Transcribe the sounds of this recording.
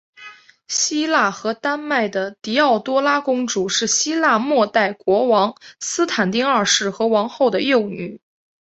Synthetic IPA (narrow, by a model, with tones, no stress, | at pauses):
ɕi˥la˥˩xɤ˧˥t̪a˥nma˥˩ɪd̪ə˩t̪i˧˥ɑ˥˩ʊt̪wɔ˥la˥kʊ˥ŋʈ͡ʂu˨˩˦ʂɻ̩˥˩ɕi˥la˥˧mwɔ˥˧t̪a˥˩ɪkwɔ˧˥wɑ˧˥ŋsɹ̩˥t̪ʰa˨˩nt̪i˥˧ŋɐ˞˥˧ʂɻ̩˥˩xɤ˧˥wɑ˧˥ŋxo˥˩ʊd̪ə˩jo˥˩ʊny˨˩˦